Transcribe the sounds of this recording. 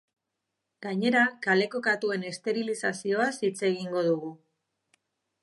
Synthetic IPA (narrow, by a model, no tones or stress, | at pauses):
ɡaɲe̞ɾakale̞ko̞kat̪ue̞ne̞st̪e̞ɾilisasio̞asit͡se̞ɣ̞iŋɡo̞ðuɣu